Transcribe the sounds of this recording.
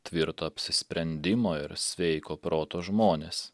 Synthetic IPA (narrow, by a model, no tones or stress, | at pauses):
t̪ʲʋʲɪɾt̪oːɐpʲsʲɪsʲpʲɾʲɛnʲd̪ʲɪmoːɪɾsʲʋʲɛɪkoːpɾoːt̪oːʒmoːnʲeːs